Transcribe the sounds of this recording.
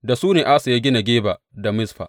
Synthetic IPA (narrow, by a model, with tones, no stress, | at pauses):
da˨suː˦neː˨ʔa˦sa˨ja˦ɡʲɪ˦na˨ɡʲeː˦ba˨ | da˨mɪ˦sɸa̰˨ʔ